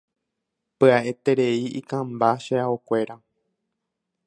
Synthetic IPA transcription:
pɨaʔe̞t̪e̞ɾe̞iḭkãmbaʃeaokʷe̞ɾa

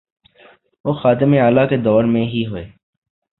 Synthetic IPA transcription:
ʋoːxaːt̪ɪmeːaːlaːkeːd̪ɔːɾmẽːɦiːɦoeː

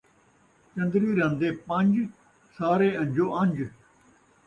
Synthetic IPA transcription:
t͡ʃə̃nd̪ɾiːɾə̃nd̪eːpə̃ɲd͡ʒ | saːɾeːə̃ɲd͡ʒoːʔə̃ɲd͡ʒ

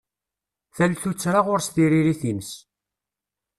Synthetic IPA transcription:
θælθut͡sːɾaʁʊɾst̪iɾiɾiθins

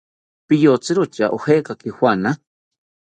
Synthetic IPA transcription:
pɪjot͡sɪɾʊt͡ʃaʔoheːkakihwʷana

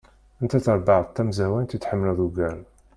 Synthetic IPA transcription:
ənt̪æθəɾˤbəʕðˤt̪ːæmzæwænt̪it̪ħəmːlæðuɡæl

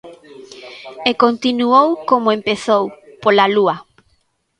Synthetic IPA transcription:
ekont̪inuowkomoempeθowpolaluɐ

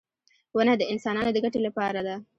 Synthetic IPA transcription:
wənad̪əɪnsɑnɑnod̪əɡaʈelapɑɾad̪a

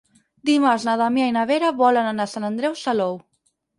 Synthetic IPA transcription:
d̪imaznaðamjajnaβeɾaβɔlananasanand̪ɾɛwsalow

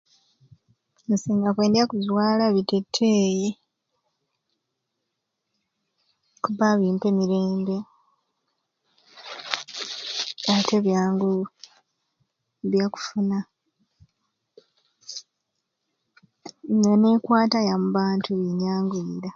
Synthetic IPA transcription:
nsiːŋɡakwe̞ːndiakuzwaːlaβitetʰːe̞ːje | kuβaβiːmpe̞miɾe̞ːmbe̞ | ate̞βjaːŋɡu | βjaku̥funa | ŋane̞kwaːtajamuβaːntʰuβiɲaːŋɡuiɾa

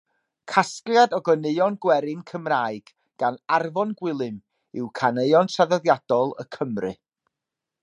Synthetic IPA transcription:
kʰaskljadɔɡɔnejɔnɡwɛɾɪnkʰəmraːɨɡ̥ | ɡ̥anarvɔnɡwɪlˠɨm | ɪwkʰaneɨɔnsaðɔðjad̥ɔlˠə̰kʰəmrɨ̰

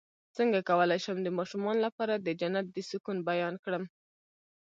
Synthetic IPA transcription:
t͡səŋɡakawəlajʃəmd̪əmɑʃumɑnlapɑɾad̪əd͡ʒanːat̪̚d̪əsukunbajɑnkɽəm

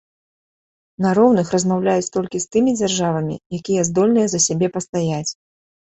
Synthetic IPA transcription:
nɐɾɔwnɨxrɐzmawlʲajut͡sʲt̪ɔlʲkʲist̪ɨmʲid͡zʲarʐavɐmʲḭjakʲijɛzd̪ɔlʲnɨjɛzɐsʲabʲɛpɐst̪ajat͡sʲ

